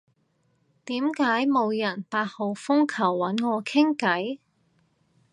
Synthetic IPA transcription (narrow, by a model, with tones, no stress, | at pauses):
t̪iː˨˥mkaː˨˥jmo˨˧wjɐ˨˩npaː˧t̚ho˨˧wfʊ˥ŋkʰɐ˨˩wːɐ˨˥nŋɔː˨˧kʰɪ˥ŋkɐ˨˥j